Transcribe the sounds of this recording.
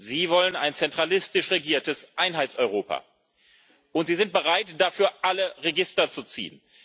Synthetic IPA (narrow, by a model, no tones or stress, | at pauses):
ziːvɔlənaɪnt͡sɛntʁ̥alɪstɪʃʁeɡiːɐtəsʔaɪnɦaɪt͡sɔʏʁ̞oːpa̰ | ʔʊntz̥iːzɪnt̚b̥əʁaɪtd̥afyːɐʔaləʁeɡɪstɐt͡sut͡sḭːən